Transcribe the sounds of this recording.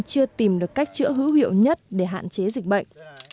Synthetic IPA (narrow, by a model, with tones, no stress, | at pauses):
t͡ɕɨ˧ət̪i˨˩mɗɨ˨˩əkːa˦˥jk̚t͡ɕɨ̰˧˥ɦɨ̰˧˥hḭ˧˨ə˨wɲə˦˥t̚ɗe˧˩ɦa̰ː˧˨nt͡ɕe˨˦zï˨˩k̟̚ɓə̰˧˨jŋ